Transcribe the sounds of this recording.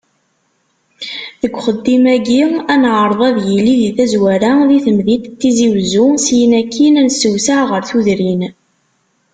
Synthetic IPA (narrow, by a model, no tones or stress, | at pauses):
ðəɡʷːχəd̪ːimæɡiænʕəɾˤðˤɑðjəlːiðiθæzwæɾæðiθəmðit̪t̪ːiziwzusjənækːinænsəwsaʕʁəɾθuðɾin